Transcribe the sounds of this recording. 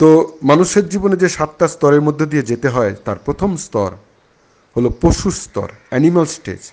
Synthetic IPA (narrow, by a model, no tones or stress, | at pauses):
t̪omanuʃeɾd͡ʑiboned͡ʑeʃat̪̚ʈast̪ɔɾeɾmod̪ʱːod̪ied͡ʑet̪eɦɔet̪aɾpɾot̪ʰomst̪ɔɾ | holopoʃust̪ɔ̰ɾɛnimalsʈḛd͡ʑ